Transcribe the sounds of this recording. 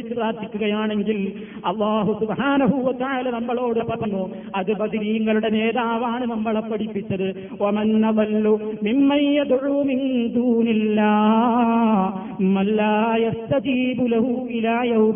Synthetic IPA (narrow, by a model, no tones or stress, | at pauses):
it͡ɕːupraːrd̪ʱikʲːuɣɐjaːɳe̞ŋɡil | ɐlˤːaːɦusubħaːnɐɦuwɐt̪ɐʕaːlɐnɐmːɐɭo̞ːɽɨpɐbɐnːu | ɐðɨbɐd̪iɾijɐŋːɐluɽe̞ne̞ːðaːʋaːɳɨnɐmːɐɭɐpːɐɽipːit͡ɕːɐðɨ | wɐmɐnːɐðɐlːumimːɐnjɐd̪ʕuːmind̪uːnilːaː | mɐlːaːjɐst̪ɐd͡ʒiːbulɐɦuilaːjɐwm